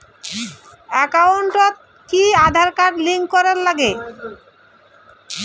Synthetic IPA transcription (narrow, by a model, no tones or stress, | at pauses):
ɛkawɳʈot̪̚ | kiad̪ʱaɾkaʈliŋɡkɔɾeɾlaɡe